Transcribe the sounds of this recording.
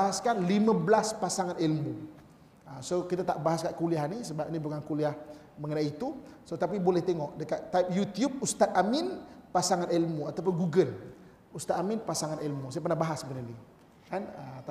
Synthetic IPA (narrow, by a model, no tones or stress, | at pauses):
aɦaskanlimə̃bəlaspasaŋanilmu | əsokit̪at̪aʔbaɦaskaʔkuliahnisəbap̚nibukankuliah | məŋənaiit̪usot̪ap̬ibolɛht̪eŋɔʔdəkat̪ːap̚jut̪iub̚ust̪at̪̚amɪnpasaŋanelmuat̪awp̬ʊnɡuɡəl | ust̪at̪amɪnpasaŋanilmusajapərnahbaɦasbənəni | kanət̪